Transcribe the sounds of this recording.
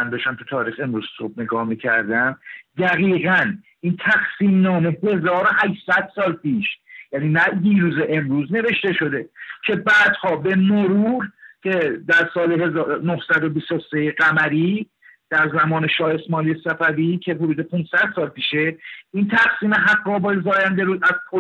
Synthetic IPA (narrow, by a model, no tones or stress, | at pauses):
ænd̪ɔʃt̪æmt̪ʰut̪ʰɒːɾiːxe̞mɾuːz̥sob̚ne̞ɡɒːhmicʰæ̰ɾd̪æmd̪æɣiːɣæn | int̪ʰæxsiːmnɒːme̞he̞zɒːɾo̞hæʃsæd̪̥sɒːlpiːʃjæniːnæiːɾuːzeʔemɾuːzne̞ve̞ʃt̪e̞ʃo̞d̪e̞cʰe̞bæːd̪̥hɒːbe̞moɾuːɾcʰe̞d̪æɾsɒːleɦe̞zɒːɾonohsæd̪o̞bist̪osejeɢæmæɾiː | d̪̥æɾzæmɒːne̞ʃɒːe̞smɒːlijesæfævicʰe̞ɦod̪uːd̪e̞pʰunsæd̪̥sɒːlpiːʃe̞int̪ʰæχsiːmeɦæɡɾɒːbɒːjezɒːjænd̪eɾuːzæz̥pʰo